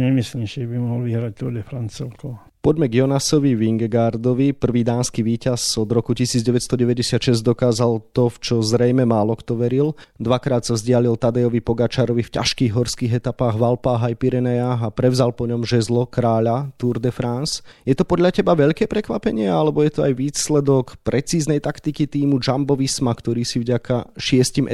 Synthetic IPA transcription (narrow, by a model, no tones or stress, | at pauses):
ɲɛmisliɲɛmʃɛbimɔɦɔlʋiɦɾac̚t̪uɾd̪ɛfɾant͡sɛlkɔ | pɔɟmɛɡjɔnasɔʋiʋiŋɡɡaɾd̪ɔʋipr̩ʋiːd̪aːnskiʋiːcazɔd̪ɾɔkucisiːd͡zɟɛʋɛt̪st̪ɔɟɛʋɛɟɛsɪat̪ʃɛzɟd̪ɔkaːzalt̪ɔft͡ʃɔzɾɛjmɛmaːlɔkt̪ɔʋɛɾild̪ʋakɾaːt̪sazɟɪalilt̪ad̪ɛjɔʋipɔɡat͡ʃaːɾɔʋifca̰ʃkiːɣɦɔɾskiːɣɛt̪apaːɣʋalpaːɦajpiɾɛnɛjaːɦapɾɛvzalpɔɲɔmʒɛzlɔkɾaːʎat̪uɾd̪ɛfɾansjɛt̪ɔpɔd̪ʎacɛbaʋɛʎkɛːpɾɛkʋapɛɲɪɛalɛbɔjɛt̪ɔajʋiːslɛd̪ɔkpɾʔɛt͡siːznɛjt̪akt̪ikit̪iːmud͡ʒambɔʋismakt̪ɔɾiːsivɟakaʃɪɛscimʔ